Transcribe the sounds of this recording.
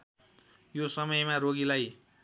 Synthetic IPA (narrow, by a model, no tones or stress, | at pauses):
josʌmʌjmaɾoɡilaj